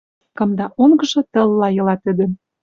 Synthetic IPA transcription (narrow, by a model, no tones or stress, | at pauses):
kɤ̆md̪ɑʔoŋɡɤ̆ʒɤ̆t̪ɤ̆lːɑjɤ̆lɑt̪ə̆d̪ə̆